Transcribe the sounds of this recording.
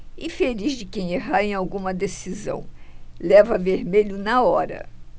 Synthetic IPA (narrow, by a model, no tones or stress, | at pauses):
ɪfelizd͡ʒɪkẽj̃eɦaɾẽj̃awɡũmɐd̪esizɐ̰̃w̃lɛvɐveɾmeʎʊnɐɔɾɐ̰